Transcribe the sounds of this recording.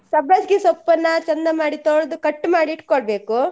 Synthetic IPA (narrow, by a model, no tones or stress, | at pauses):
sɐbɐsɡisɔpːɐnːɐt͡ʃɐnd̪ɐmaːɽit̪oɭd̪ukɐʈːumaːɽiːʈkoɭbe̞ːku